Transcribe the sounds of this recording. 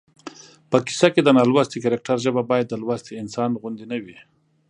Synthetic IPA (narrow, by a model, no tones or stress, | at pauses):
pəki̥saked̪ənɑlwast̪ikaɾek̚ʈaɾʒəbabɑjad̪ːəlwast̪iɪnsɑnɣʊnd̪inawi